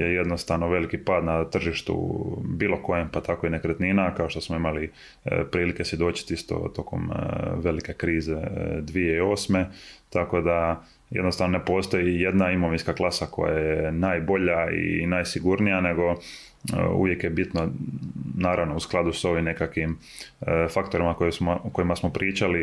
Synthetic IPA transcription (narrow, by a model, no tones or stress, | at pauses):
jeje̞d̪nost̪aʋno̞ʋe̞likipaːd̪nat̪r̩ʒiʃt̪ṵbiːlˠo̞ko̞jempat̪ʰakoine̞kɾet̪ninakao̞ʃt̪o̞smoimali | pɾiːlike̞sjed̪o̞ːt͡ɕi̥t̪ist̪o̞̰t̪o̞ko̞̰mʋe̞like̞kɾiːzed̪ʋijeio̞ːsme̞t̪ako̞d̪a | jḛd̪nost̪aʋnone̞po̞ːst̪o̞jije̞d̪naimo̞ʋinskaklˠasako̞̰jajjenaːjbo̞ʎaḭnaːjsiɡuɾnijane̞ɡo̞ | ṵʋje̞kjebit̪no | naːɾaʋno̞usklˠad̪uso̞ʋimnekakʋim | fakt̪o̞ɾimakojesmoko̞imasmopɾʔiːt͡ʃali